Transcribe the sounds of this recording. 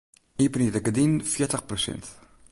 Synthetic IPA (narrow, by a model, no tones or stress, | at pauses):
ipnid̪əkəd̪infiɾt̪əχpɾosɛ̰nt̪